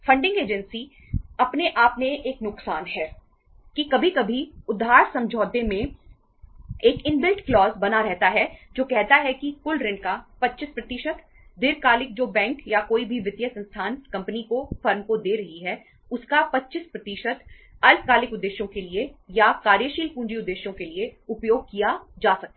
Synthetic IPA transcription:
fɐ̃ɳɖɪ̃ŋɡeːd͡ʒə̃nsi | ɐpneʔaːpneʔeːknʊksaːnɦɛː | kikɐbʱikɐbʱiʊd̪ʱːaːɾsɐ̃md͡ʒʱɔːd̪emẽ | eːkɪ̃nbɪlʈklɔːzbɐnaɾɛɦt̪aɦɛd͡ʒoːkɛɦt̪aɦɛkikʊlɾɪ̃ɳɖkapɐtːʃɪspɾɐt̪ɪʃət̪ | d̪ɪɾkaːlɪk̚d͡ʒoːbɛ̃ːŋkjakoːibʱiʋɪt̪jəsɐ̃nst̪ʰaːnkɐ̃mpnikofɐɾmkod̪eːɾɐɦiɦɛ | ʊskapɐtːʃɪspɾɐt̪iːʃət̪ | ɐlkaːlɪkʊd̪ːeːʃjõkeliejakaːɾjəʃiːlpũːɲd͡ʒiʊd̪ːeːʃjõkelieʊpjoːɡ̚kijad͡ʒaːsɐk̚t̪a

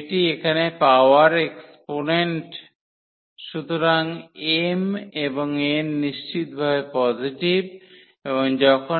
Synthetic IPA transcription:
ʈiekʰanepawaɾeksponeɳʈ | ʃut̪ʰoɾaŋemeboŋenːiʃt͡ɕit̪̚bʱabepɔziʈib | eboŋd͡ʑɔkʰo

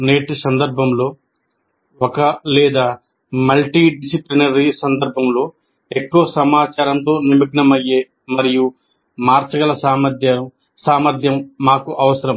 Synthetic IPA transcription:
ne̞ːʈsɐnd̪ɐɾbʱɐmlo̞ː | ɔkɐlɛːd̪aː | mɐlʈiɖisiplinɐɾisɐnd̪ɐɾbʱɐmlo̞ː | ekːuʋɐsɐmaːt͡ʃaːɾɐnt̪o̞ːnimɐɡnɐmɐjːeː | mɐɾiju | maːɾt͡ʃɐɡɐlɐsaːmɐd̪jɐ | saːmɐɾd̪ʱjɐmːaːkuʔɐʋɐsɐɾɐm

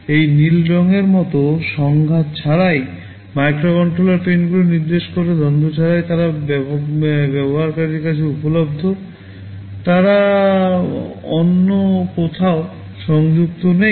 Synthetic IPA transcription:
ejnilɾɔŋeɾmɔt̪oʃɔŋɡʱat̪̚t͡ɕʰaɾaj | majkɾokɔɳʈɾolaɾpɾenɡuloniɾd̪eʃkoɾed̪ʱɔnd̪ʱot͡ɕʰaɾajt̪aɾab | bɛboɦaɾkaɾiɾkat͡ɕʰiupolobd̪ʱo | t̪aɾa | onːokot̪ʰao | ʃɔŋd͡ʑuk̚t̪one

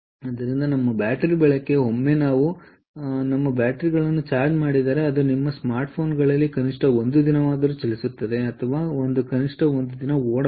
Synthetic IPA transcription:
ɐd̪ɐɾind̪ɐnɐmːɐbjaːʈɐɾibɛɭekːe̞ɦo̞mːe̞naːʋu | nɐmːɐbaːʈɐɾiɡɐɭɐnːut͡ʃaːɾd͡ʒmaːɽid̪aːɾeɐd̪unimːɐsmaːɾʈpʰo̞ːnɡɐɭɐlːikɐniʂʈɐo̞nd̪ud̪inɐʋaːd̪ɐɾut͡ʃɐlisut̪ːɐd̪e̞ɐt̪ʰɐʋaːo̞nd̪ukɐniʂʈɐond̪ud̪inɐoːɽɐ

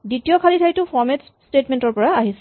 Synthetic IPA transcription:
ditiɔkʰalitʰajtʊfʰɔɹmɛt | stetmɛntɔɹpɔɹaaɦis

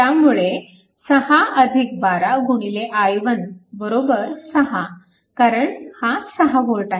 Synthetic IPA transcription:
t̪jamuɭe | səhaəd̪ʱik̚baɾaɡʱuɽ̃ileʔajʋənbəɾobəɾsəɦa | kaɾəɳhasəɦaɡʱoɭʈaɦe

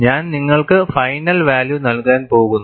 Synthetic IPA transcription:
ɲaːnniŋːɐɭkɨfɐjnɐlʋaːljunɐlkaːnpo̞ːɣunːu

